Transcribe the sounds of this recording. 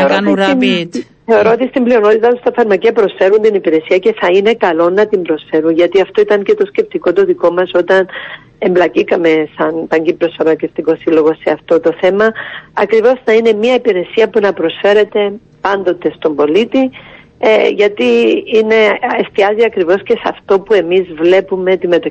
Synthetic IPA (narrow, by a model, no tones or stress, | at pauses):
eoɾot̪ii | θeo̞ɾo̞ot̪ist̪imblio̞no̞t̪it̪ɐt̪ost̪ɐfɐɾmɐciɐpɾo̞sfe̞ɾunt̪inipiɾe̞siɐce̞θɐine̞kɐlo̞nɐt̪imbɾo̞sfe̞ɾunʝɐt̪iɐft̪o̞it̪ɐɲce̞t̪o̞sce̞p̚t̪iko̞t̪oðiko̞mɐso̞t̪ɐn | e̞mblɐcikɐme̞sɐnpɐɲɟipɾo̞sfɐɾmɐceft̪iko̞silo̞ɣo̞se̞ɐft̪o̞t̪o̞θe̞mɐɐkɾivo̞znɐine̞miɐipiɾe̞siɐpunɐpɾo̞sfe̞ɾe̞t̪e̞ | pɐnd̪o̞t̪e̞st̪o̞mbo̞lit̪i | ʝɐt̪iine̞est̪iɐziɐkɾivo̞sce̞sɐ̰ft̪o̞pue̞mizvle̞pume̞t̪imːe̞t̪o